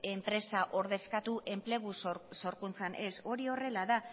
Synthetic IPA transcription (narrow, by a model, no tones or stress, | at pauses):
e̞mpɾe̞saʔo̞ɾðe̞skat̪uʔe̞mple̞ɣ̞uso̞ɾkunt͡sanʔe̞so̞ɾio̞re̞laða